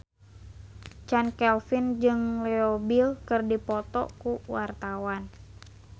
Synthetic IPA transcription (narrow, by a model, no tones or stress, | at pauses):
t͡ʃankɛlfind͡ʒɨŋlɛobɪlkɨrdipɔt̪ɔ̰kuwart̪awan